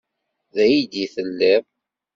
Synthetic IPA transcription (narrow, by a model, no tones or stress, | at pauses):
ðæjid̪iθəlːæv